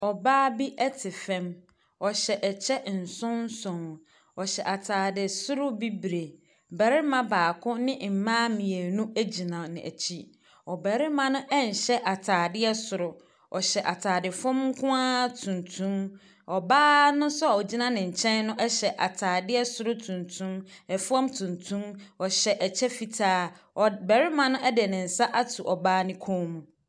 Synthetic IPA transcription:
ɔ˨baː˦bi˦ʔɛ˦tʰɪ˨fɛ̃˦m | ɔ˨ɕɛ˨ʔɛ˨t͡ɕʰɛ˦n̩˨sʊ̃˦n˦sɔ̃˨n˨ | ɔ˨ɕɛ˨ʔa˨tʰaː˨dɪ˨sʊ˦ɾʊ˦bi˦bɾe˨ | bɛ˨ɾɪ˦mã˦baː˨kʰʊ̃˦nɪ̃˦m̩˨mãː˦mĩ˨e˨nũ˦æ˦d͡ʑi˨nã˨nɪ̰̃˨ʔæ̰˨t͡ɕʰi˦ | ɔ˨bɛ˨ɾɪ˦mã˦nʊ̃˦ʔɛ˦˨n̩˨ɕɛ˦ʔa˨tʰaː˨dɪ˦ɛ˦sʊ˨ɾʊ˨ | ɔ̰˨ɕɛ˨ʔa˨tʰaː˨dɪ˨fɔ̃˦mŋ̩˦kʰʊ̃˦a˦tʰũ˨ntʰũ˦m | ɔ˨baː˦nʊ̃˦sʊ˦a˨ɔ˨d͡ʑi˦nã˦nɪ̃˨ɲ̩˨t͡ɕʰɛ̃˦nnʊ̃˦ʔɛ˦ɕɛ˨ʔa˨tʰaː˨dɪ˦ɛ˦sʊ˨ɾʊ˦tʰũ˨ntʰũ˦mɛ˨fɔ̃˦mtʰũ˨ntʰũ˦mɔ˨ɕɛ˨ʔɛ˨t͡ɕʰɛ˦fi˨tʰaː˦˨ | bɛ˨ɾɪ˦mã˦nʊ̃˦ɛ˦dɪ˨nɪ̃˨n̩˨sa˦ʔa˦tʰu˨ʔɔ˨baː˦nɪ̃˦kʰɔ̃˦mũ˨

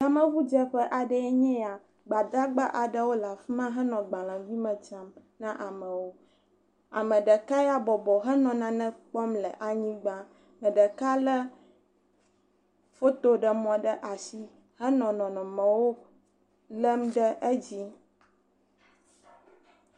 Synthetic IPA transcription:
a˨mə̃˦vu˦d͡ʒɛ˦ɸə˦ʔa˨ɖə˦ɛ˦ɲɛ̃˦a˨ | ɡ͡ba˨d̪a˦ɡ͡ba˦ʔa˨ɖə˦wo˦la˨fi˦mã˦ɦə˦nɔ̃˨ɡ͡bã˨lã˨vi˦mə̃˨t͡ʃa˦m | nã˦ʔa˨mə̃˨wo˦ | a̰˨mə̃˨ɖə˨ka˦ja˦bɔ˨bɔ˨ɦə˦nɔ̃˨nã˨nɛ̃˦k͡pɔ˦mlə˨ʔa˨ɲĩ˦ɡ͡ba˦ | mə̃˨ɖə˨ka˦lə˦ | fo˦t̪o˦ɖə˨mɔ̃˨ɖə˦ʔa˨si˦ | hə˦nɔ̃˨nɔ̃˨nɔ̃˨mə̃˨wo˦ | lə˦mɖə˦ʔd͡ʑi˦

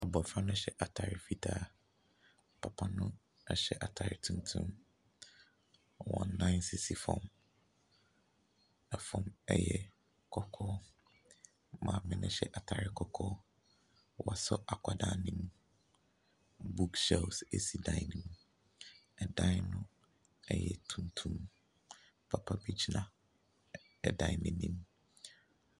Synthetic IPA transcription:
a˨bɔ˨fɾa˦nʊ̃˦ɕɛ˦˨ʔa˨tʰa˨ɾɪ˨fi˦tʰa˦˨ | pʰa˨pʰa˦nʊ̃˦ | ɛ˦ɕɛ˦ʔa˨tʰa˨ɾɪ˨tʰũ˦n˦tʰṵ̃˦m | wɔ̰̃˨nːã˦ɪ˦nsɪ˨si˨fɔ̰̃˦˨m | ɛ˨fɔ̃˦˨mɛ̰˦jɛ˨ | kʰɔ˦kʰɔː˦ | mã˨mɪ̃˦nʊ̃˦ɕɛ˦ʔa˨tʰa˨ɾɪ˦˨kʰɔ˦kʰɔː˦ | wa˨sʊ˦ʔa˨kʷʰa˨daː˨nĩ˦m | bu˦ksɛ˦˨lse˨si˨dã˦ɪ˦nĩ˨m | ɛ˨dã˦nʊ̃˦ | ɛ˨jɛ˨tʰũ˨ntʰũ˦m | pʰa˨pʰa˦bi˦d͡ʑʰi˦nã˨ | ɛ˨dã˨ɪnɪ̃˦nːĩ˦m

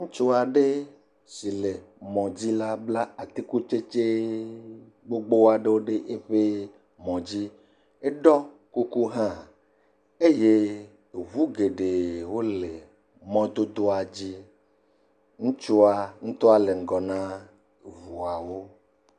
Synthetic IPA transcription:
ŋũ˦t͡ʃu˦a˨ɖe˦ | si˨le˨mɔ̃˨d͡ʑi˦la˦bla˦a˨t̪i˦ku˦t͡ʃe˦t͡ʃe˦ | ɡ͡bo˦ɡ͡bo˦wa˨ɖe˦wo˦ɖe˦ʔe˦ɸe˦ | mɔ̃˨d͡ʑi˦ | e˦ɖɔ˦ | ku˦ku˦ɦã˦ | e˦je˦ | o˨vu˦ɡe˨ɖe˨wo˦le˨ | mɔ̃˦d̪o˦d̪o˦a˨d͡ʑi˦ | ŋũ˦t͡ʃu˦a˨ŋũ˦t̪o˦a˦le˨ŋ̩˨ɡɔ˨nã˦ | vu˨a˨wo˦

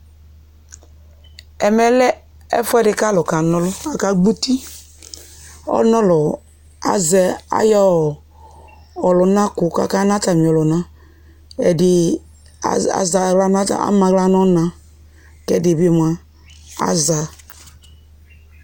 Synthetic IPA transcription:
ɛ˨mɛ˨lɛ˦ | ɛ̰˦fɛ˦dɪ˨ka˦lʊ˨ka˨nɔ˦lʊ˦a˨ka˦ɡ͡bu˦ti˦ | ɔ̰˦nɔ˦lʊ˨ | a̰˨zɛ˨a̰˦jɔ˦˨ | ɔ˨lʊ˨na˦ku˨ka̰˦ka˦na˦ta˨mi˨ɔ˨lʊ˨na˦ | ɛ˨dɪ˨ | a̰˨za˨a˦n˦˨a̰˦ma˨˦la˦nɔ˦na˨ | kɛ˦˨di˨bi˦˨m˨a˨ | a̰˦za˨

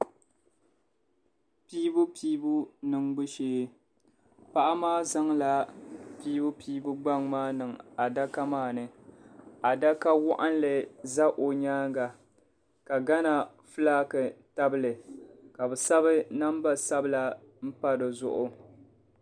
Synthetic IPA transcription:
piː˦bʊ˦piː˦bu˦nɨ˨ŋɡ͡bɨ˦ʃeː˦ | pa˦ʔa˦maː˦za˦ŋla˨piː˦bʊ˦pʰiː˦bʊ˦ɡ͡ba˦ŋmaː˦nɨ˨ŋa˨da˦ka˦maː˦˨nɨ˨ | a˨da˦ka˦wʊ˦ʔa˦n˦lɨ˨za˦ʔo˨ɲaː˦ŋɡa˨ | ka˨ɡa˦na˨ | fɨ˦laː˦kɨ˨ta˦bɨ˦lɨ˨ka˨bɨ˨sa˦βɨ˦na˦mba˦sa˦bɨ˦la˦ | m̩˦pa˦dɨ˨zʊ˦ʔʊ˦

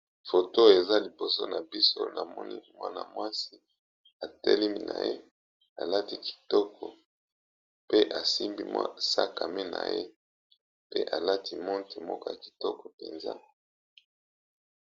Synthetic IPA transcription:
fo˨to˦e˨za˦li˨bo˨so˦na˨bi˦so̰˦na˨mɔ̰˦nḭ˦mwa˦na̰˨mwa˦si˦ | a˨te˦li˦mi˦na̰˨je˦ | a˨la˦ti˦ki̥˨tɔ˦kʰɔ˨ | pe˦ʔa˨si˦mbi˦mwa̰˦sa˦ka˨me˦na̰˨jḛ˦ | pe˦ʔa˨la˦tʰi˦mɔ˦nte˨mɔ˦kɔ˦ja˨ki̥˨tɔ˦kɔ˨pe˨nza̰˦

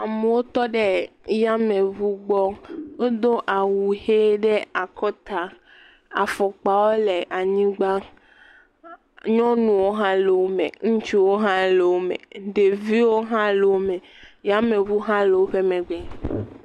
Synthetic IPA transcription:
a˨me˨wo˦t̪ɔ˦ɖɛ˦ | ja˦mẽ˨vu˦ɡ͡bɔ˦o˦d̪o˦ʔa˨wu˨he˦ɖɛ˦a˨kʰɔ˦t̪a˨ | a̰˨fɔ˨k͡pa˨wo˦lɛ˨ʔa˨ɲĩ˦ɡ͡ba˦ | ɲɔ̃˦nũ˨wo˦ɦã˦le˨wo˦mḛ̃˨ŋũ˦t͡ʃi˦wo˦ɦã˦le˨wo˦mɛ̰̃˨ɖe˨vi˦wo˦ɦã˦le˨wo˦mɛ̃˨ | ja˦mẽ˨vu˦ɦã˦le˨wo˦ɸe˦mɛ̃˨ɡ͡bɛ˨

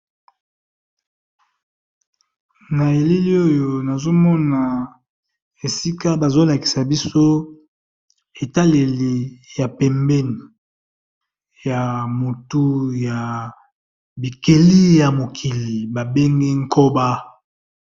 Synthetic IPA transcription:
na˨e˨li˦li˦o˦jo˨na˨zo˦mɔ˦na˨ | e˨si˦ka˦ba˨zo˦la˨ki̥˨sa˨bi˦so˦ | e˨ta˦le˨li˨ja˨pɛ˨mbɛ˦ni˨ | ja˨mo˨tu˦ja˨ | bi˨ke˨li˦ja˨mo˨kʰi˨li˨ba˨be˦ŋɡe˦ŋ˦ko˦ba˦

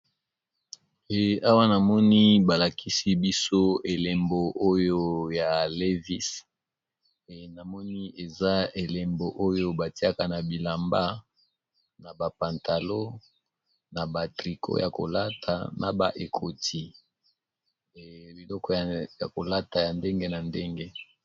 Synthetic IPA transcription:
e˨a˦wa˦na˨mɔ˦ni˦ba˨la˨kʰi˦si˦bi˦so˦e˨le˨mbo˨ʔo˦jo˦ja˨le˦vi˦s | na˨mɔ˦ni˦e˨za˦e˨le˨mbo˨ʔo˦jo˦ba˨ti˦a˦ka˨na˨bi˨la˨mba˦ | na˨ba˨pa˨nta˨lo˦ | na˨ba˨tʁi˨kʰo̰˦ja˨ko̰˨la˦tʰa̰˨na˨ba˨ʔe˨kʰo˨tʰi˦ | bi˨lɔ˦kɔ˦jja˨ko˨la˦ta˨ja˨nde˦ŋɡe˦na˨nde˦ŋɡe˦

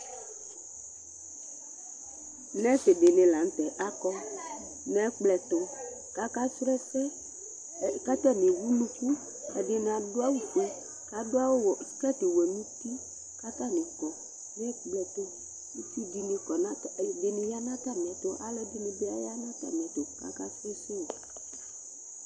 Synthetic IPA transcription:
nɛ̃˦se˨de˨nɪ̃˨la˨n̩˦t̪ɛ˨ʔa˦kɔ˦ | nɛ˦k͡plɛ˨t̪o˨ | ka˦ka˦sɾɛ˦fɛ˦ | ka˦t̪ɛ˦nɪ̃˨wu˦lũ˦ku˦ | ɛ̰˨ɖe˦n˨a˨do˦a˦wu˨te˦ | ka˨˦do˦a˦wo˦wkɛ˦t̪e˨wɛ˨nũ˦t̪i˦ | ka˦ta˦nẽ˨kɔ˨ | nɛ˦k͡plɛ˨t̪o˦ | i˦si˦di˨nẽ˨kɔ˨na˦de˨nẽ˨ja˦nã˦t̪a˦mɛ̃˨t̪o˦ʔa˨lɛ˦de˦nẽ˨be˦a̰˦ja˦nã˦t̪a̰˦mɛ̃˨t̪o˨ka̰˦ka˦se˦so˦˨

